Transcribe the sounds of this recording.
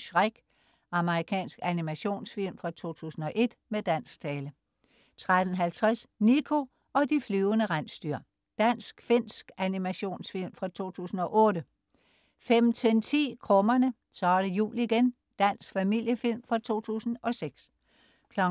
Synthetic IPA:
ɕʁaɡ̥ | ɑ̈məʁikʰɛ̰ːnsɡ̥ænimæɕo̝̰ːnsfil̰mfʁɑ̈t͡sʰo̝̰ːt͡sʰṵːsn̩ɒ̽ʔe̝d̥med̥æn̰sɡ̥t͡sʰɛːlə | t͡sʰʁad̥ən̩ɦælt͡sʰʁɛsnikʰo̝ | ɒ̽d̥iflyːʊənəʁan̰sd̥yɐ̰ | d̥æn̰sɡ̥fe̝n̰sɡ̥ænimæɕo̝̰ːnsfil̰mfʁɑ̈t͡sʰo̝̰ːt͡sʰṵːsn̩ɒ̽ʔɔ̽ːd̥ə | fem̰t͡sʰent͡sʰḭːkʰʁɔ̽mɐnə | sɒɐɾ̥əjṵːliiɡ̥en | d̥æn̰sɡ̥fæmil̰jəfil̰mfʁɑ̈t͡sʰo̝̰ːt͡sʰṵːsn̩ɒ̽seɡ̥s | kʰlɒ̽

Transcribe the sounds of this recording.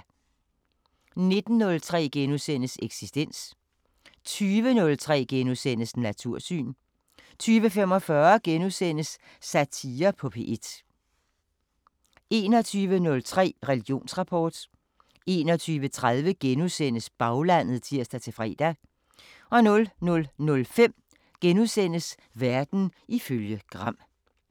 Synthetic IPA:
ne̝d̥n̩ːɔ̽lt͡sʰʁɛ̰ːɡ̥enusen̰əseɡ̥sisd̥en̰s | t͡sʰyːʋənɔ̽lt͡sʰʁɛ̰ːɡ̥enusen̰əsnæt͡sʰuɐ̰sy̰ːn | t͡sʰyːʋəfem̰ɒ̽fɶɐɡ̥enusen̰əsː | æt͡sʰiːɐpʰɒ̽pʰe̝̰ʔed̥ | e̝ːnɒ̽t͡sʰyːʋənɔ̽lt͡sʰʁɛ̰ːʁɛliɡ̥ijo̝̰ːnsʁɑ̈pʰɒ̰ːd̥ | e̝ːnɒt͡sʰyːʋət͡sʰʁaðˠʋəɡ̥enuðˠsen̰əsb̥ɑ̈ʊlæn̰ð̩ˠt͡sʰiɐ̰sd̥æt͡sʰe̝fʁɛ̰ːd̥æ | ʔɒ̽nɔ̽lnɔ̽lnɔ̽lfem̰ | ɡ̥enuðˠsen̰əs | ʋæɐd̥n̩ʔiføljəɡ̥ʁɑ̈m̰

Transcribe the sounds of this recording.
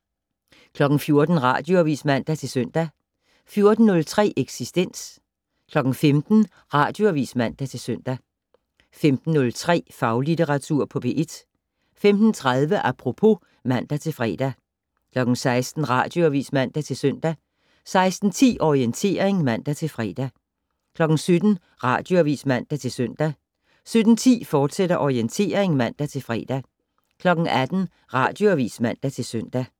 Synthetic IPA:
kʰlɒ̽ɡ̥n̩fjo̝ɐd̥n̩ʁɑ̰̈ːd̥jo̝æʋḭːsmæn̰d̥æt͡sʰe̝lsœn̰d̥æ | fjo̝ɐd̥n̩ːɔ̽lt͡sʰʁɛ̰ːʔeɡ̥sisd̥en̰s | kʰlɒ̽ɡ̥n̩femd̥n̩ | ʁɑ̈d̥jo̝æʋḭːsmæn̰d̥æt͡sʰe̝lsøn̰d̥æ | femd̥n̩ːɔ̽lt͡sʰʁɛ̰ːfɑ̈ʊlidʰeʁɑ̈t͡sʰuɐ̰pʰɒ̽b̥e̝ʔed̥ | femd̥n̩t͡sʰʁaðˠʋəʔæpʰʁo̝pʰo̝ | mæn̰d̥æt͡sʰe̝lfʁɛ̰ːd̥æ | kʰlɒ̽ɡ̥n̩sɑ̈ɪsd̥n̩ʁɑ̰̈ːd̥jo̝æʋḭːsmæn̰d̥æt͡sʰe̝lsœn̰d̥æ | sɑ̈ɪsd̥n̩t͡sʰḭːʔɒʁient͡sʰe̝̰ːɐʁeŋmæn̰d̥æt͡sʰe̝lfʁɛ̰ːd̥æ | kʰlɒ̽ɡ̥n̩sød̥n̩ | ʁɑ̈ːd̥jo̝æʋḭːsmæn̰d̥æt͡sʰe̝lsøn̰d̥æ | sød̥n̩t͡sʰḭːfɒːd̥seɾ̥ɐʔɒient͡sʰe̝̰ːɐ̰eŋmæn̰d̥æt͡sʰe̝lfʁɛ̰ːd̥æ | kʰlɒ̽ɡ̥n̩æd̥n̩ | ʁɑ̈ːd̥jo̝æʋḭːsmæn̰d̥æt͡sʰe̝lsøn̰d̥æ

